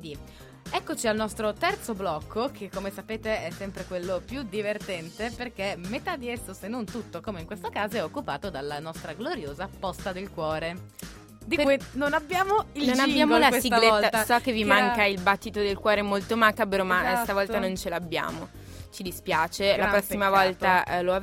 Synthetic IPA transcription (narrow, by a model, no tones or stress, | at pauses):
id̪i | ɛkːot͡ʃialnɔst̪ɾot̪ɛrt̪soblɔkʰːokʰekːomesapeːt̪eɛsːɛmpɾekwelːopjud̪ivert̪ɛnt̪eperkemet̪ad̪iɛsːosenːont̪ut̪ːokomeiŋkwest̪okaːzoɛokːupaːt̪od̪alːanɔst̪ɾaɡloɾjoːzapɔst̪ad̪elkwɔːɾe | d̪inonabjaːmoilnonabːjaːmolassiɡletːat̪sɔkːevːimaŋkailbat̪ːit̪od̪elkwɔːɾemolt̪omakabeɾomast̪avɔlt̪anont͡ʃelabːja̰ːmo | t͡ʃid̪ispjaːt͡ʃelapɾɔsːimavɔlt̪aloa